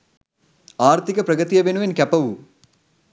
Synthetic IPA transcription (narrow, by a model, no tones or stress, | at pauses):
aːɾt̪ʰikɐpɾɐɡɐt̪ijɐbenuʋenkʲɐpɐʋu